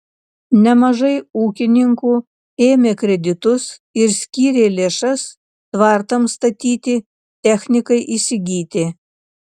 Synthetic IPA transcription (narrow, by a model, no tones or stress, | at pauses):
nʲɛmɐʒɐɪuːkʲɪnʲɪŋkuː | eːmʲeːkɾʲɛd̪ʲɪt̪ʊsɪɾsʲkʲiːɾʲeːlʲeːʃɐs | t̪ʋɐˑɾt̪ɐmst̪ɐt̪ʲiːt̪ʲɪ | t̪ʲɛxʲnʲɪkɐɪʔiːsʲɪɡʲiːt̪ʲɪ